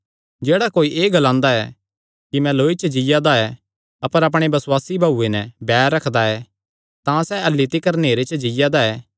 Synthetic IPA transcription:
d͡ʒeːɽakoːiʔeːɡɐlãːnd̪aɛ | kimɛ̃loːit͡ʃəd͡ʒɪjad̪aɛ | ɐpəɾɐp̬ɽ̃ebɐswaːsibʱaːuːenɛbɛːɾːɐkʰd̪aɛ | t̪ãsɛɐlːɪt̪ikɐɾneːɾet͡ʃəd͡ʒɪjad̪aɛː

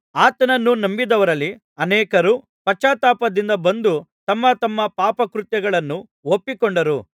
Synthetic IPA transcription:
aːt̪ɐnɐnːunɐmbid̪ɐʋɐɾɐlːi | ɐnɛːkɐɾu | pɐt͡ʃaːt̪aːpɐd̪ind̪ɐbɐnd̪ut̪ɐmːɐt̪ɐmːɐpaːpɐkɾut̪jɐɡɐɭɐnːu | opːikɔɳɖɐɾu

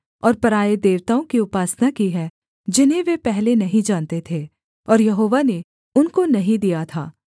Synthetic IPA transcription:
ɔːɾpɐɾaːed̪eːʋt̪aːõkiʊpaːsnakiɦɛ | d͡ʒɪnɦẽʋepɛɦlenɐɦĩd͡ʒaːnt̪et̪ʰeː | ɔːɾjɐɦoːʋane | ʊnkonɐɦĩd̪ijat̪ʰa̰ː

